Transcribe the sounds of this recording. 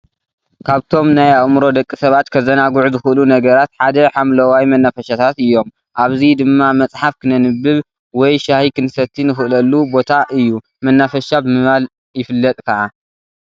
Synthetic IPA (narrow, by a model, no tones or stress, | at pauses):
kʰaβt̪ʰo̞mnajaχmɾo̞d̪ɐkʼːisɐβat̪kʰɐzɐnaɡʕuzɨxɨʔlunɐɡɐɾat̪ħad̪ɐħamlɐwajmɐnːafɐʃat̪ʰat̪ɨjːo̞m | ʔaβzid̪ɨmːamɐt͡sʼħafkʰɨnɐnɨbːɨβ | wɔjʃahikʰɨnɨsɐt̪ʰːinɨxɨʔɨlɐlːubo̞t̪ʰaʔɨjːu | mɐnːafɐʃabɨmɨβal | jɪfɨlːɐt̪ʼkʰɐʕa